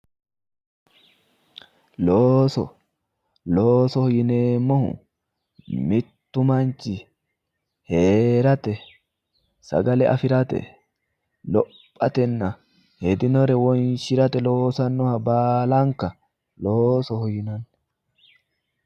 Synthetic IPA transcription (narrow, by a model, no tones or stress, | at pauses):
loːsɔ | loːsɔhɔjɪneːmːɔhʊ̰ | mɪt̪ːʊmɐnt͡ʃɪ | heːɾɐt̪ɛ | sɐ̰ɡɐlɛʔɐ̰fɪɾɐt̪ɛ̰ | lɔpʼːɐt̪ɛnːɐ | hɛd̪ɪnɔɾɛwɔnʃɪɾɐt̪ɛlo̞ːsɐnːɔhɐbaːlɐŋkɐ | loːsɔhɔjɪnɐnː